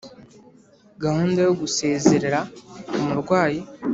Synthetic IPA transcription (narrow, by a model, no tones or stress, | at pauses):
ɡahuːndajoɡuse̞ːze̞ɾe̞ɾaomuɾɡwaːji